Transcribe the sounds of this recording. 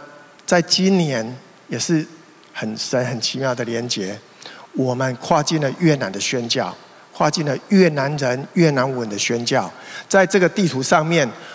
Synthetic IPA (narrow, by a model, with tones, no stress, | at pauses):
t͡sa˥˩ɪt͡ɕi˦˥nnjɛ˧˦n | jɛ˨˩ʂɻ̩˥˩ | hə˨˩nʂə˨˦nhə˨˩nt͡ɕʰi˨˦mjɑ˥˩ʊd̪ə˩ljɛ˨˧˦nt͡ɕjɛ˨˦ | wɔ˨˩mə˦nkʰwa˥˧t͡ɕi˥˩nlə˨ɥɛ˥˨na˨˦nd̪ə˨ɕɥɛ˦˥nt͡ɕjɑ˥˨ʊ | kʰwa˥˧t͡ɕi˥˩˨nlə˨ɥɛ˥˩na˧˦nɻə˦nɥɛ˥˨na˧˦nwə˨˦nd̪ə˨ɕɥɛ˧˥nt͡ɕjɑ˥˨ʊt͡sa˥˧ɪʈ͡ʂɤ˥˨ɡə˨˩t̪i˥˨t̪ʰu˧˥ʂɑ˥˧ŋmjɛ˥˨n